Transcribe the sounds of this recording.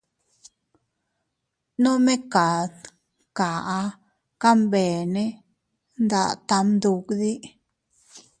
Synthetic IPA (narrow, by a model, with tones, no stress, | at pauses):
no˦me˦ka˨d̪ | ka˨a˧ | ka˦mbe˨ne˦ | nd̪a̰˧˨ʔt̪a˧md̪u˧kd̪i˦